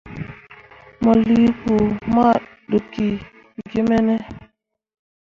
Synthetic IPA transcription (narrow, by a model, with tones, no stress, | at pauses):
mɔ˨li˦ku˨ma˦ɗo˨kːi˨ | ɡi˦mɛ˦nɛ˦